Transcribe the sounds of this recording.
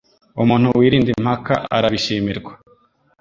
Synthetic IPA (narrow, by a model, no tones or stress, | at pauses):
umuːn̥huwiːɾiːndim̥hakaʔa̰ɾaβiʃiːmiɾɡwa